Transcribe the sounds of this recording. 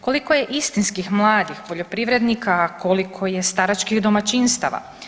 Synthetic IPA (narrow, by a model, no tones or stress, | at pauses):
ko̞liko̞je̞ʔist̪inskixmlˠaːd̪ixpo̞ʎo̞pɾiʋɾe̞d̪nikakʰo̞likʰo̞jest̪aɾat͡ʃkixd̪o̞mat͡ʃinst̪a̰ʋa̰